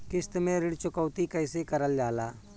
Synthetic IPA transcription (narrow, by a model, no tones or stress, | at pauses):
kɪst̪mẽɾɪɽt͡ʃʊkəːt̪ikəɪsekəɾəld͡ʒaːlaː